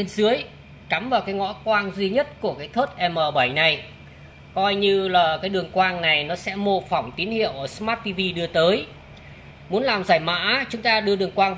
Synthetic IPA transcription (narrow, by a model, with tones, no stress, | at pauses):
e˧nzɨ˨˦əj | ka˨˦mvaː˨˩kaː˨˦jŋɔ̰˧˥kwaː˧nzwi˧ɲə˦˥t̚ku˧˩əkaː˨˦jt̪ʰwə˦˥t̚ʔɛ˧məː˨˩ɓa˧˩jna˨˩j | kɔ˧jɲɨ˧laː˨˩kaː˨˦jɗɨ˨˩əŋkwaː˧ŋna˨˩jnɔ˨˦sɛ̰˧˥mo˧fa˧˩wŋ͡mt̪i˨˦ənhḭ˧˨əwʔəː˨˩smaː˦˥t̚t̪i˧vi˧ɗɨ˧ət̪əː˨˦j | mu˨˦nlaː˨˩mzaː˧˩jma̰ː˧˥t͡ɕʊ˨˦ŋ͡mt̪aː˧ɗɨ˧əɗɨ˨˩əŋkwaː˧n